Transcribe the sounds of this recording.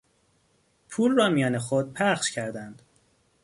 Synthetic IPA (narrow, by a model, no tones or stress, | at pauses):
pʰuːlrɒːmijɒːnexod̪̚pʰæχʃcʰæɾd̪ænd̪̥